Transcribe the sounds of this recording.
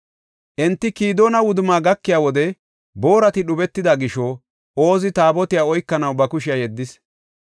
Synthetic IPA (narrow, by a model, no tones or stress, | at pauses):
ʔɛnt̪ːɪkiːd̪oːnɐwʊd̪ʊmaːɡɐkːɪjaːwɔd̪ɛ | bo̞ːɾɐt̪ɪɗʊbɛt̪ːɪd̪ɐɡɪʃo | oːzɪt̪aːbɔt̪ɪjaːɔjkːɐnɐwbɐkʊʃɪjajɛd̪ːɪs